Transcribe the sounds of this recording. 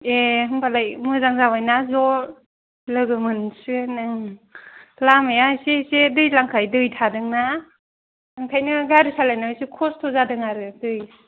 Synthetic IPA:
eɦɯŋpʰalajmɯzaŋzawajnazɔ | lɯɡɯmɯnsɯnɯŋ | lamajasesedɯjlaŋkʰajdɯjtʰadɯŋna | aŋkʰajnɯɡaɾɯsalajnasikʰɔstʰɔzadɯŋaɾɯdɯj

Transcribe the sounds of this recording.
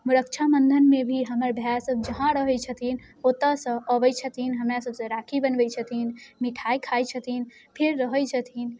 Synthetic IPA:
muɾək̚t͡ʃʰamənd̪ʱənmebʱiɦəməɾbʱjasəb̚d͡ʒəɦãɾəɦət͡ʃʰət̪ʰin | ot̪əsə̃əbəjt͡ʃʰət̪inɦəmɾasəbsə̃ɾakʰibənbəjt͡ʃʰət̪inmiʈʰajkʰajt͡ʃʰət̪in | pʰeɾːəɦəjt͡ʃʰət̪ʰin

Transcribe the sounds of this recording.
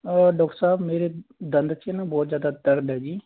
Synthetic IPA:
əɖɔːk̚ʈəɾsaːbmeːɾed̪ənd̪t͡ʃʰiɛnabɔːt̪zjaːd̪at̪əɾd̪ɦɛːd͡ʒiː

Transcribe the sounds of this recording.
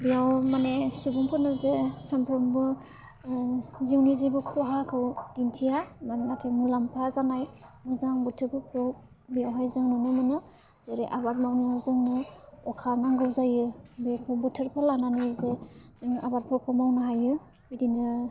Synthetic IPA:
bijawmanesibuŋpʰɯnɯzesampʰɾɔmbɯ | ziwnizibɯkʰɔɦakʰɯwd̥intʰijamannatʰemulampʰazanajmuzaŋbutʰɯɾpʰɯkʰɯw | bijawɦajzɯŋnɯnɯmɯnɯ | z̥eɾeʔabat̚mawnizɯŋnɯɔkʰanaŋɡɯwzajɯbipʰɯbutʰɯɾpʰɯlananɯzez̥ɯŋa̰bat̚pʰɯkʰɯmawnaɦajɯ | bidinɯ

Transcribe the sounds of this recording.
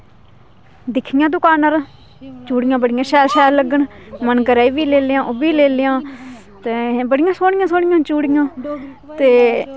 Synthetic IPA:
d̪ɪkʰːɪjãːd̪ʊkaːnəɾ | t͡ʃuːɽɪjãːbəɽɪjãːʃɛːlʃɛːlːəɡəɳmənkəɾaːiːʋiːleːljãːʔobiːleːljãː | t̪eːbəɽɪjãːsoːɽɪjãːsoːɽɪjãːt͡ʃuːɽɪjãːt̪eː

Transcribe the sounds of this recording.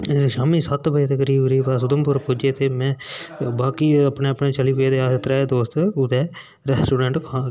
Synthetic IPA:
ʃaːmiːsət̪bəeːt̪əkəɾiːbɾiːbaːsʊd̪əmpʊɾpʊd͡ʒeːt̪eːmɛ̃ːbaːkiːəpɳeːəpɳẽːt͡ʃəliːpʊeːd̪eːaːst̪ɾɛːd̪oːst̪ʊd̪ɛː | ɾɛːsʈuːɖɛ̃ːɳʈkʰãː

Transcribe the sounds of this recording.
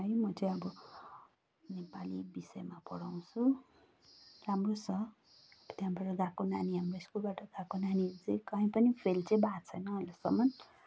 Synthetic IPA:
ɦʌjmʌt͡sʌj̃ʌbʌ | nepalibisʌemapʌɽaw̃t͡sʰu | ramrot͡sʰʌ | t̪jãbaʈʌɡãkonaniɦamroiskulbaʈʌɡãkonanid͡zekʌɦĩpʌnipʰelt͡sẽj̃batt͡sʰʌjnʌːlesʌ̰mʌn

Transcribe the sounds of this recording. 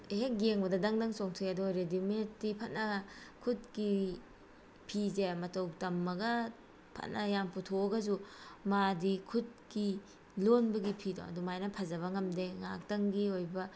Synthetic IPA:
ɦek̚ɡeŋbɐdɐdɐŋdɐŋsoŋtʰɯjɐdɔɾedimetːipʰɐt̚nɐkʰut̚ki | pʰizemɐtɐwtɐmːɐɡɐ | pʰɐ̰tnʔɐjamputʰoɡɐzumadikʰut̚ki | lonbɐɡipʰido̰ɐ̰dumajnɐpʰɐzɐβɐŋɐmdeŋa̰k̚tɐŋɡiojbɐ

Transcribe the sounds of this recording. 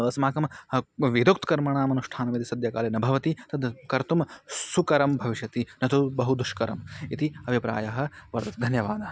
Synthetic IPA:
ʋɐsmaːkɐmʋid̪uk̚t̪kɐɾmɐɳaːmɐnuʂʈʰaːnɐmit̪isɐd̪jɐka̰ːlenɐbʱɐʋɐt̪it̪ɐd̪kɐɾt̪umsukɐɾɐmbʱɐʋiʃjɐt̪inɐt̪ʰubɐɦud̪uʂkɐɾɐmit̪iɐbʱipɾa̰ːjɐɦɐ̆ʋɐɾt̪ɐt̪d̪ʱɐnjɐʋaːd̪ɐ

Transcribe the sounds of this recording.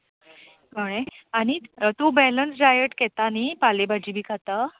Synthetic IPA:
əɽ̃eaɽ̃it̪obɛlənsɖajəʈkɛt̪anipalebad͡ʑiːbʱiːkʰat̪a

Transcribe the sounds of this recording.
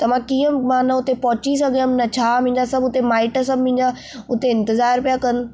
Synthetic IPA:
t̪ɐmãkiːə̃mãːnɐʊt̪epɔɦʊt͡ɕis̬ɐɡʱəmnɐt͡ɕʰaːmʊ̃ɪ̃ɲd͡ʑasɐbʱʊt̪emaːɪʈs̬ɐbʱmʊ̃ɦɪ̃d͡ʑã | ʊt̪eɪ̃nt̪ɪzaːɾpijakɐn

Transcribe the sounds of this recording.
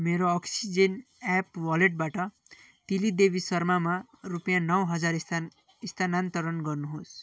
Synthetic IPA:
meɾoʌksid͡zen | apwʌleʈ̚baʈʌ | t̪ilid̪ebisʌrmamarupjãnʌwɦʌd͡zar | ist̪ʰanant̪ʌɾʌnɡʌrnuɦos

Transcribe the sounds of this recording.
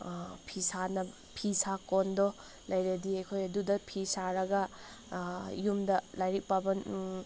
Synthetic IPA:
pʰisanɐ | pʰisakondɔ | lɐjɾɐdiɐjkʰojɐdudɐpʰisaɾɐɡɐ | jumdɐlajɾik̚pabɐn

